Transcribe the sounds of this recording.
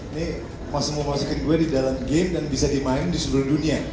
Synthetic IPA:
nɪ | masʊməmasukɪnɡuadidalamɡɛmdanbisadimaɪŋdisəluhdunia

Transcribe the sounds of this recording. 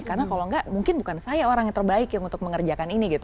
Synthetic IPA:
karnakaloŋɡamuŋkɪnbukansajaoɾaŋat̪ərbaɪkjaŋunt̪ʊk̚məŋərd͡ʒakaniniɡit̪u

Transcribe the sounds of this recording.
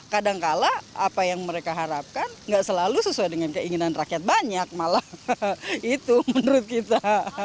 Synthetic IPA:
kadaŋkalaapajaŋməɾekaɦaɾap̚kanŋɡaʔsəlalusəsuajdəŋankəiŋinanrakiat̪̚baɲak̚mala | it̪umənəɾʊt̪̚kit̪a

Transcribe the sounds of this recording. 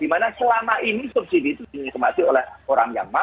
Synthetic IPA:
d̥imanasəlamaʔinisup̚sidiːt̪udiɲikəmat̪iolɛhoɾaŋja̰ma

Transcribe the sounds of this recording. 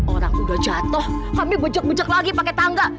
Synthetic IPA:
ʔoɾaŋbudad͡ʒat̪ʊhkamibəd͡ʒək̚bəd͡ʒək̚laɡipakɛt̪aŋɡa

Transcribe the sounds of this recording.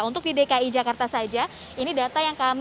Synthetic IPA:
unt̪ʊk̚didekaid͡ʒakart̪asad͡ʒa | inidat̪ajaŋkam

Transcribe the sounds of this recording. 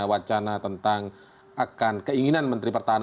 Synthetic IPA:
awat͡ʃanat̪ənt̪aŋ | akankəiŋinanmənt̪ɾipərt̪aɦan

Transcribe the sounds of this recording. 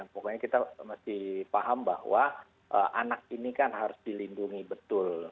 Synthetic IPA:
japokɔɲakit̪amasɪhpaɦamba̰hwa | ʔəʔanak̚inikanɦaɾʊsdilinduŋibət̪ʊl

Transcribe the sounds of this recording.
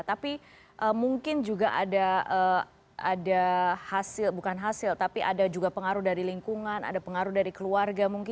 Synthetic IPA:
t̪api | ʔəmuŋkɪnd͡ʒuɡaʔadaə | adahasɪlbukanɦasɪlt̪apiʔa̰dad͡ʒuɡapəŋaɾuhdaɾiliŋkuŋana̰dapəŋaɾuhdaɾikəluarɡamuŋkɪ

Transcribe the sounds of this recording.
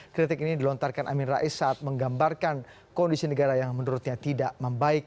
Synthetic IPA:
kɾit̪ɪkinidilɔnt̪arkanʔa̰minra̰ʔisat̪̚məŋɡambarkan | kɔndisinəɡaɾajaŋmənuɾʊt̪̚ɲat̪idaʔməmbaɪk̚

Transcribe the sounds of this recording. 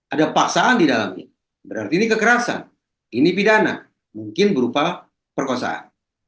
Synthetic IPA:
ʔadapaksaːndidala̰mɲa̰ | bəɾart̪iːnikəkəɾasa̰n | inipidana̰ | muŋkɪnbəɾupa | pərkosa̰ʔa̰n

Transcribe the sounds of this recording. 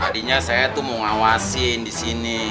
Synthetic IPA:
adiɲasajat̪umoŋawasindisini

